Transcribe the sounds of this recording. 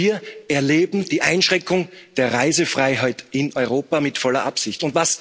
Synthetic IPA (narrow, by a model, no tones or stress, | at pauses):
iːɐɛɐleːbm̩d̥iːʔaɪnʃʁ̥ɛ̃ŋkʊŋd̥eːɐʁaɪzəfʁ̥aɪɦaɪtɪnʔɔʏʁoːpamɪtfɔlɐʔapsɪçtʊntvas